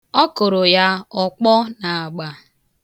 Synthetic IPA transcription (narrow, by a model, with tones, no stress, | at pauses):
ɔ˦ko˨ɾo˨ja˦ɔ˦k͡pɔ˦na˨a˨ɡ͡ba˨